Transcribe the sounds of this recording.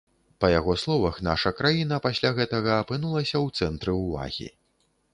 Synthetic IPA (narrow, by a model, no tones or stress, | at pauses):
pɐjaɣɔslˠɔvɐxna̰ʂɐkɾajinɐpasʲlʲaɣɛt̪ɐɣɐːpɨnulˠɐsʲɐwt̪sɛnt̪ɾɨwva̰ɣʲḭ